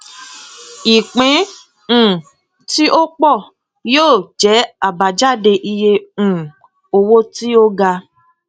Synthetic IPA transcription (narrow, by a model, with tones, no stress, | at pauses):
i˨k͡pĩ˨˦˨ | ti˦ʔo˦k͡pɔ˦˨ | joː˦˨d͡ʒɛ˨˦a˦˨ba˨d͡ʒa˦˨de˧ʔi˧jẽ˧˨ | o˧wo˦ti˦o˦ɡa˧